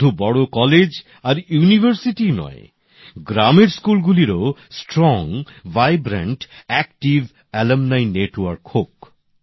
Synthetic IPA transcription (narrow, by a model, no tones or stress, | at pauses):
ubɔɽokɔled͡ʑ | aɾijunibʱəɾsiʈinɔ̰j | ɡɾameɾskulɡuliɾosʈɾɔŋvajbɾḛɳʈɛkʈiv | ɛlemnajneʈwɔɾkhok